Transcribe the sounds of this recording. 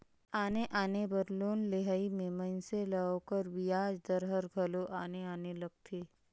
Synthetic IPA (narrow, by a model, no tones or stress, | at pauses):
aːneʔaːnebəɾloːnleɦaːimẽmɐ̃nseləokəɾʋɪjaːd͡ʒd̪əɾɦəɾɡʱɐloʔaːneaːnelɐɡ̚t̪ʰeː